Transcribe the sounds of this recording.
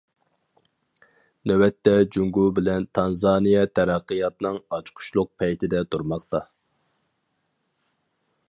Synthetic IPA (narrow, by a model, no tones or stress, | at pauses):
nɛwɛt̪ːɛd͡ʒuŋɡubɪlɛnt̪ʰɑnzɑnijɛt̪ʰæɾæqːɨjɑt̪nɨŋɑt͡ʃʰqʰʊ̥ʃlˠʊq̚pʰɛjt̪ʰɪd̪ɛt̪ʰuɾmɑqt̪ɑ